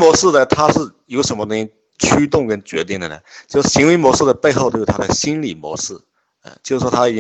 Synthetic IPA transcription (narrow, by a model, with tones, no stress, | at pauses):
mwɔ˧˥ʂ̩˥˩d̪ə˩t̪ʰa˥ʂɻ̩˥˩jo˧˥ʊʂə˧˥nmə˧t̪ʊ˥ŋi˥ | t͡ɕʰy˥t̪̬ʊ˥˩ŋkə˥nt͡ɕɥɛ̰˧˥t̪i˥˩ŋd̪ə˩nə̰˩t͡ɕjo˥˧ʊʂɻ̩˥˩ɕi˧˥ŋwe˧˥ɪmwɔ˧˥ʂɻ̩˥˩d̪ə˩pe˥˧ɪxo˥˧o˥˩˥t̪ʰa˥a˧˩ɕi˥nli˨˩mwɔ̰˧˥ʂɻ̩˥˩ | ə̰˧˩t͡ɕjo˥˧ʊʂɻ̩˥˩ʂɔ˥t̪ʰa˥i˨˩t͡ɕi˥